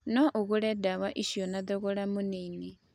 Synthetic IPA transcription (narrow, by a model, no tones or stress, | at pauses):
nɔʔuɣuɺɛdawaʔiʃiɔnad̪ɔɣɔɺamunini